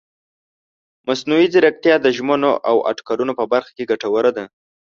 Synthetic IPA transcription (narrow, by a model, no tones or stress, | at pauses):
masnuwizɪɾak̚t̪jɑd̪əʒmənoʔa̰wʔa̰ʈkɑɾunopəbaɾxḁkeɡaʈawəɾad̪a